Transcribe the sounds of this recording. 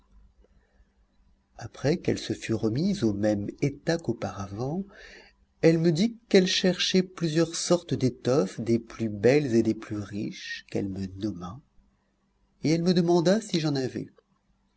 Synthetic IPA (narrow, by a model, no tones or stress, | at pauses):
apχɛkɛlsəfyʁəmizomɛmet̪akopaʁavɑ̃ | ɛlməd̪ikɛlʃɛʁʃɛplyzjœʁsɔʁt̪d̪et̪ɔfd̪eplybɛlzed̪eplyʁiʃkɛ̰lmənɔma | eɛlməd̪əmɑ̃d̪asiʒɑ̃navɛ̰